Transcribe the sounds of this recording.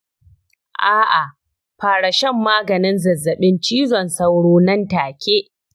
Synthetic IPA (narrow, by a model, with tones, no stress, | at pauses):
ʔaː˦ʔa˨ | ɸaː˨ɽa˨ʃɛ˦˨mːaː˦ɡɐ˨nɪ˦nzɐ˨zːɐ˨ɓɪ˦nt͡ʃiː˦zɔ˨nsɐ˦wɽoː˦nɐ˦ntaː˨kʲeː˦ʔ